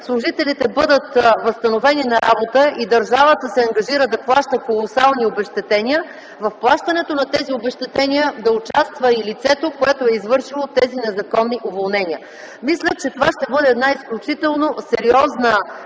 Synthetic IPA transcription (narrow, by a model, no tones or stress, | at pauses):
slˠʊʒit̪ɛlit̪ɛbɤd̪ət̪vəst̪ɐnovɛninɐɾabot̪əid̪əɾʒavət̪əsɛɐŋɡɐʒiɾəd̪ɐplˠaʃt̪əkolˠosalˠniobɛʃt̪ɛt̪ɛniə | vɐfplˠaʃt̪ɐnɛt̪onɐt̪ɛziobɛʃt̪ɛt̪ɛnʲijəd̪ɐʊt͡ʃast̪vəilit̪sɛt̪okoɛt̪oɛizvɤɾʃilˠot̪ɛzinɛzɐkɔnːiʔovolˠnɛniə | mislʲət͡ʃɛt̪ovaʃt̪ɛbɤd̪ɛːd̪naisklʲut͡ʃit̪ɛlˠnosɛɾiɔznə